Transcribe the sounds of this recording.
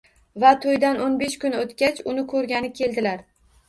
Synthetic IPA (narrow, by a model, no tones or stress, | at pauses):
vat̪ʰojd̪anonbe̞ʃkʊnot̪kʲat͡ʃʊnɪkʰɵɾɡʲanɪkʲʰe̞ld̪ɪlaɾ